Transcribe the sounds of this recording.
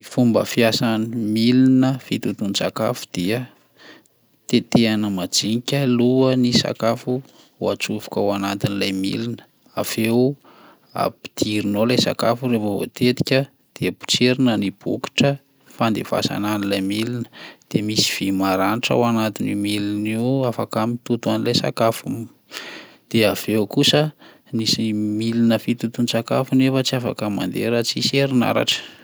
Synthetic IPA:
ifumbə̰fiasanimilinəfit̪ut̪unisaka̰fu̥d̪̥iə | t̪et̪eanəmad͡ziɲikʲəluənisa̰kafu | wat͡suvu̥kawanat̪inilajmḭlinə̥ | afe | a̰pi̥d̪̥iɾinolajsa̰kafuɾefavo̰t̪et̪i̥kʲə | d̪̥eəbu̥t͡seɾinənib̥uki̥ʈ͡ʂə | fand̪efa̰sa̰nanilajmilinə̥d̪̥emisi̥v̥imaɾaniʈ͡ʂa̰wanat̪inimiliniuafakamit̪ut̪uanilajsa̰kafum | d̪̥eav̥ewkusə | nisimilinəfit̪ut̪unisaka̰funefət͡siafa̰kəma̰nd̪eɾət͡siseɾina̰ɾa̰ʈ͡ʂə̥

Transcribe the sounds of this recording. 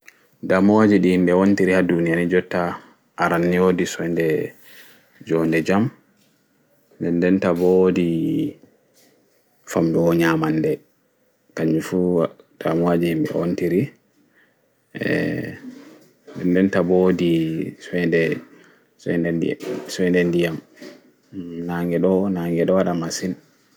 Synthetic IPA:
damɔwad͡ʒiɗihimɓɛwontiɾihadunijanid͡ʒɔtːa | ʔaɾanːiodisɔjndɛ | d͡ʒɔndɛd͡ʒam | ndɛndɛntabodi | famdɔɔɲamandɛ | kaɲːufu | tʰamuwad͡ʒimbɛ̰o̰ntiɾi | ʔɛ̰ | ndɛndɛntabodisɛndɛ | sɛndɛsɛndɛndijam | naŋɡɛɗɔnaŋɡɛɗɔwaɗamasin

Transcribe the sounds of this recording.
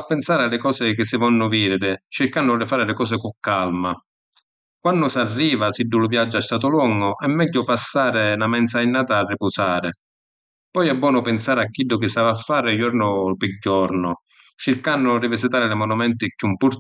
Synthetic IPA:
apːɛnsaːɾɪalːɪkɔːsɪkɪsːɪvɔnːʊviːɾɪɾɪt͡ʃɪɾkanːʊlɪfaːɾɪlɪkɔːs̬ɪkʊkːalma | kwanːʊsarːiːvasidːʊlʊvjad͡ʒːʊɛst̪aːt̪ʊlɔŋɡʊʔɛmːɛɟːʊpasːaːɾɪnamɛnt̪s̬ainːaːt̪aːrːɪpʊsaːɾɪ | pɔjɛbːwɔːnʊpɪnsaːɾɪakːidːʊk̟ɪsaːvafːaːɾɪjɔɾnʊpɪɟːɔɾnʊ | t͡ʃɪɾkanːʊrɪvisɪt̪aːɾɪlɪmɔnumɛnt̪ɪkumpuɾ

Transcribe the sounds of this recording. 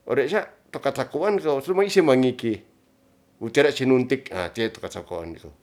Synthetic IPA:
o̰ɾeʃat̪okat͡ɬakoankossumaisemaŋiki | ut̪iaɾaʔt͡ʃinunt̪ika̰t̪iet̪o̥kat͡ʃakoa̰ndiko̰

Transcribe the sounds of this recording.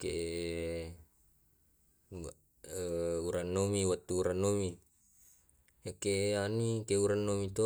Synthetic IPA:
keʔ | uɾanːomiwat̪ːuːɾanːomi | ekeʔanikeuɾanːomit̪o

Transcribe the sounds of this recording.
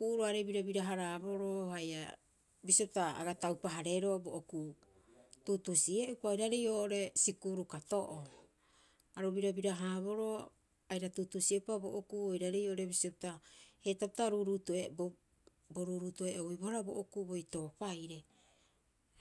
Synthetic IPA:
kuʔuɾuaɾebiɾabiɾaɦaɾabo̞ɾohaja̰ | bisiop̚taa̰ɡatawpaɦaɾe̞ɾo̞boʔoku | tutusieʔupajɾaɾejoːʔoɾe̞sikuɾukatoʔo | aɾobiɾabiɾaɦaːβo̞ɾo̞ | ajɾatutusiepabo̰ʔokuojɾaɾe̞joːʔoɾe̞bisio̞p̚tahetap̚taɾuɾutoebo | boɾuːɾuːtueʔojbohaɾaboʔokubojto̞ːpajɾe̞

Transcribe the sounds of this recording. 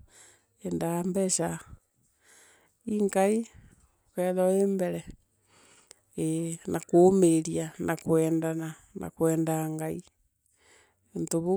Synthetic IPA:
endambɛʃa | iŋɡai | okɛðɔembɛɾɛ | enʔakoːmeɾianʔakwɛːndana | na̰kwɛːndaŋɡai | ntoβo

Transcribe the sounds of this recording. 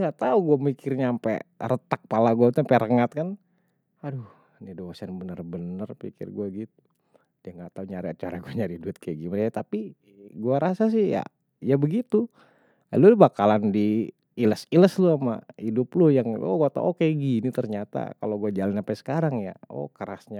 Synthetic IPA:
ŋɡaʔt̪auɡuamikɪrɲaːmpɛ̰rət̪ak̚palaɡuat̪uampɛɾəŋat̪̚kan | adu | nidoasanbənərbənərpḭkɪ̰rɡuaɡit̪u̥ | diaŋɡaʔt̪auɲaɾiat͡ʃa̰ɾaɡuaɲaɾiduɪt̪̚keɡiməɾekat̪api | ɡuaɾasas̬ɪhja̰ | jabəɡit̪u | a̰lulbakalandiː | ləsiləsluama̰idʊplʊjaŋo̰ɡuat̪a̰uokeɡinit̪ərɲat̪a̰kaloɡuad͡ʒalanampɛsə̥kaɾaŋja̰o̰kəɾasɲa

